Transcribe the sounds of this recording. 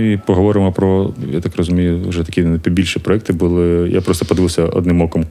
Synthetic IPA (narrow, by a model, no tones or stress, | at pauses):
ipɔɦɔʋɔɾɪmɔpɾɔjat̪akrɔzʊmʲijʊʒɛt̪ɐ̥kʲipʲibʲilʲʃipɾɔɛk̚t̪ɪbʊlˠɪjʔa̰pɾɔst̪ɔpɔd̪ɪʋɪwˠsʲɐɔ̰d̪nɪmɔkɔm